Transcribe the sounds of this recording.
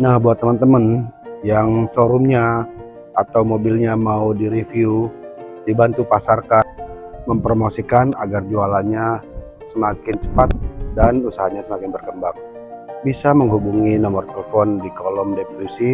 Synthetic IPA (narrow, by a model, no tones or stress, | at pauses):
nahbuat̪ːəmənt̪əmənjaŋsoɾumɲa | at̪awmobilɲamaudiɾifiudibant̪upasarkan | məmpəɾomosikana̰ɡard͡ʒualaɲa | səmakɪnt͡ʃə̥pat̪̚danusaɦaɲasəmakɪnbərkəmbaŋ | bisaməŋɦubuŋinɔmɔrt̪eləfɔndikɔlɔmdepolisi